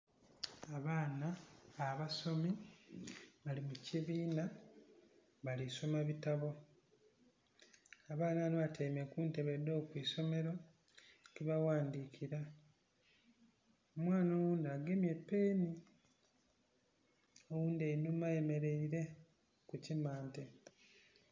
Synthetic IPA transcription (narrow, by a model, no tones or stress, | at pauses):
aβaːnaːβaso̞mi | βalimuciβiːna | βaliso̞maβitaβo̞ | aβaːnanoβatʰeimekuːnte̞βedo̞ːkwiːso̞me̞ɾo̞ | kiβawaːndiːkʰiɾa | omwaːnowuːndaɡemjepːe̞ːni | owuːndeinumaje̞me̞ɾe̞iɾe̞ | kucimaːnte